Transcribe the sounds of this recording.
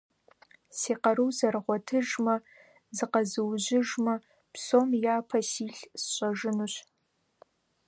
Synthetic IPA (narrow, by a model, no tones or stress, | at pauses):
siːqɐɾuwzɐrɨʁʷɔtʰɨʒmɐ | zɨqɐzɨwʑɪʒmɐ | psoːmjaːpʰɐsiːɬsɕʼɐʒɪnuɕ